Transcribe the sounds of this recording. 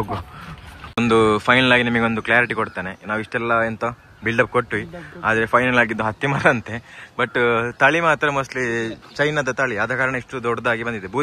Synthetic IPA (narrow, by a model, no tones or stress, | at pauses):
oɡu | ond̪upʰɐjnɐlaːɡinɐmɐɡeo̞nd̪ukljaːɾiʈikoɽt̪aːnenaːʋiʂʈɛlːɐent̪o | bilɖɐp̚koʈːʋiaːd̪ɐɾepʰɐjnɐlaːɡid̪ːuɦɐt̪ːimɐːɾɐɐnt̪ebɐʈːt̪ɐɭimaːt̪ɐɾɐmɐslit͡ʃɐjnɐd̪ɐt̪aːɭiɐd̪ɐkaːɾɐɳɐiʂʈud̪ɔɽd̪aːɡibɐnd̪id̪ebʱuː